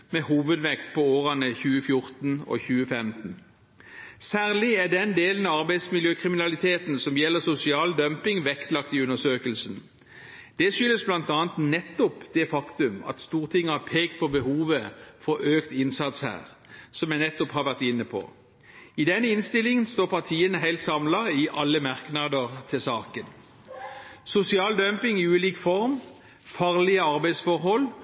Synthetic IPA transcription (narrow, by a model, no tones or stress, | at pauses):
mɛhuːʋəd̪ʋɛkt̪̚pʰɔoːʁɑnəçʉːəfjʊʁt̪n̩ɔ̰çʉːəfɛmt̪n̩ | sæːʁlɪæɖ̪ɛnd̪eːlənɑɑʁbæɪd̪smɪljøːkʰʁɪmɪnɑlɪt̪ʰeːt̪n̩sɔmjɛlːəʁsʊsɪɑːld̪œmpɪŋʋɛkt̪lɑkt̪ɪʉnəsøːkəlsn | d̪̥ɛʃʏlːəsblɑnt̪ɑːnt̪nɛt̪ːɔpd̪̥ɛfɑkt̪ʉmɑ̰t̪st̪uːʁt̪ʰɪŋːəhɑpʰeːkt̪̚pʰɔbəhuːʋəfɔøːkt̪ɪnsɑt̪shæ̰ːʁ | sɔmjæɪnɛt̪ːɔphɑʁʋæʁt̪ɪnːəpʰɔ̰ | ɪd̪ɛnːəɪnst̪ɪlɪŋənst̪oːʁpʰɑʁt̪ʰiːənəɦæɪlt̪sɑmlɑɪʔɑlːəmɑʁknɑd̪əʁt̪ʰɪlsɑːkən | sʊsɪɑːld̪œmpɪŋɪʉːliːkfɔʁm | fɑːʁlɪəɑʁbæɪd̪sfɔʁɦɔlː